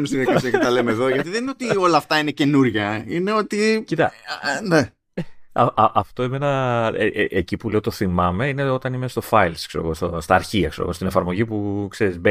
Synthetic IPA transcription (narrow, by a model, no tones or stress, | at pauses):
ist̪iðiɐkɐiɐkɐt̪ɐlemeeðo̞ʝɐt̪iðenineo̞t̪io̞lɐːft̪ɐinece̞nuɾʝɐineo̞t̪icit̪ɐ̰ne | ɐɐɐft̪o̞imenɐʔeʔecipule̞ot̪oθimɐme̞ineo̞t̪ɐnimest̪o̞fɐjlskseɾoɣo̞st̪ost̪ɐːɾçiɐkseɾoɣo̞st̪ine̞fɐɾmo̞ʝipukse̞ɾizbe